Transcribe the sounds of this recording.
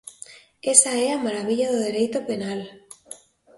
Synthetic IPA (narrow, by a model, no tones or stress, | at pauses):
esaeamaɾaβ̞iʎaðoðeɾejt̪openal